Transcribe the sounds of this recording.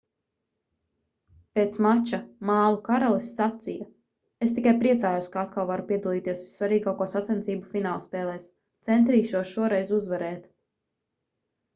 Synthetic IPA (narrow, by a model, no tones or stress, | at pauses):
peːt̪smat͡ʃamaːlˠukaɾalˠisːat̪sija | est̪ikajpɾiɛt̪saːjowskaat̪kalˠvaɾupiɛd̪alˠiːt̪iɛsvi̥ssːvaɾiːɡaːkuɔsat̪sɛnsiːbufinaːlˠspɛːlˠɛːs | t̪sɛnt̪ɾiːʃuɔʃuɔɾɛjzuzvɛɾɛːt̪